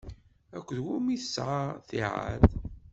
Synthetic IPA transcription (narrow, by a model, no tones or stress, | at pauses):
ækʷːðwumiθəsʕaθiʕa̰ð